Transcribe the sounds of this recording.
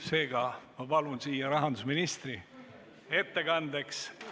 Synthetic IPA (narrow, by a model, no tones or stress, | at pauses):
se̞ːɡ̥ɑmɑpɑlunsiːjɑɾɑɦɑnd̪usminist̪ri | e̞t̪ːe̞ɡɑnd̪e̞ks